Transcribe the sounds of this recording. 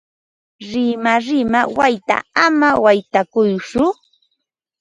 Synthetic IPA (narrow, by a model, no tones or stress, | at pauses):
ɾɪmaɾɪmawajt̪a̰amawajt̪akʊjt͡ʃʊ